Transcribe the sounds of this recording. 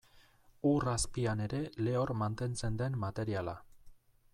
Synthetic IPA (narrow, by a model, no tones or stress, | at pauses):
uraspiane̞ɾe̞le̞o̞ɾmant̪e̞nt͡se̞nd̪e̞nːat̪e̞ɾiala